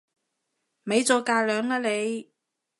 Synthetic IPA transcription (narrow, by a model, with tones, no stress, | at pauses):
me˨˧jt͡sɔː˨˧kaː˨˧lœː˨˥ŋlaː˥le˨˧j